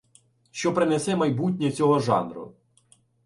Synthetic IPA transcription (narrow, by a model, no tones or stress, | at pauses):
ʃt͡ʃɔpɾɪnesɛmɐjbut̬ʲnʲɛt͡sʲɔɦɔʒɑ̰nɾʊ̰